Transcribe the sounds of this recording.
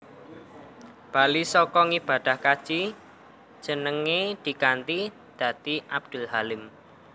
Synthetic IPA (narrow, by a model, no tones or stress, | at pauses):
b̥alisɔkɔŋib̥a̤d̪̥a̤hkḁʒ̥i̥ | d͡ʒ̥ənəŋed̪̥i̤kant̪i | d̪̥ä̤t̪iʔab̚d̪̥ʊlɦalɪm